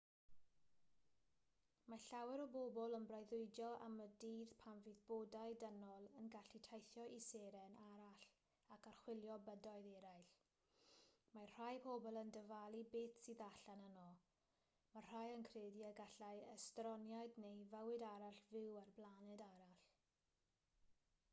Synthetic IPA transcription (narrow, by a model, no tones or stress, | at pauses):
maɬawɛɾɔbobɔlˠənbrajðʊɨdjɔʔa̰mədiːðpʰanviðb̥oːdaɨdənɔlˠənɡaɬitʰajθjɔʔiseɾɛnaɾaɬ | akʰarχwɪlˠjɔbədɔɨðɛɾajɬ | mar̥ajpʰobɔlˠəndəvalˠibeːtsiðaɬanənɔ | mar̥ajənkʰreːdiaɡaɬajəstrɔnjajdnejvəwɪdaɾaɬvɪwarblˠanɛdaɾaɬ